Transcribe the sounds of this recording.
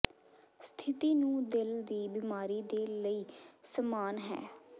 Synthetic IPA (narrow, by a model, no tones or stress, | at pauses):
st̪ʰɪt̪iːnũːd̪ɪld̪iːbɪmaːɾiːd̪eːləiːsəmaːnɦɛ̰ː